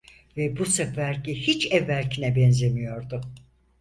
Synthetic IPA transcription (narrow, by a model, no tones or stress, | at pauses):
vɛbusɯkvæɾcihit͡ʃɛvːæɾcʰinɛbɛnzemijo̞ɾd̪ʊ